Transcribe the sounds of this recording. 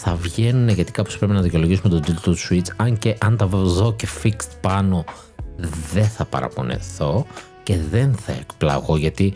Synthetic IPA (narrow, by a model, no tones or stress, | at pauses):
θɐvʝe̞nuneʝɐt̪i̥kɐpo̞spɾe̞pinɐðico̞lo̞ʝisumet̪od̪it̪t̪ot̪u̥suit͡sɐɲceʔɐnt̪ɐðo̞ce̞fikst̪pɐno̞ | ðe̞θɐpɐ̰ɾɐ̰po̞̰nḛθo̞ | ce̞ðe̞nθɐ̰ekplɐ̰ɣo̞ʝɐt̪i